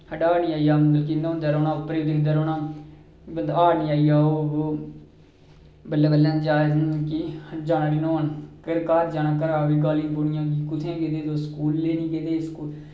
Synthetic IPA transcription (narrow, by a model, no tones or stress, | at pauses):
həɖaːniːaːiːaːmənd̪əlkiːnõːnd̪aːɾoːnãːʊpːɾeːd̪eːd̪aːɾoːnãː | bənd̪aːniːaːiːaːoːbo | bəlːaːbəlːãːd͡ʒaːjznkid͡ʒaːnaːɖinoːnkəɽkaːɾd͡ʒaːnãːkəɾaːʋiːɡaːlĩːboːnɪjãːɡiːkʊt̪ʰẽːkeːd̪eːd̪oːskuːlːeːnĩːkeːd̪eːskuːl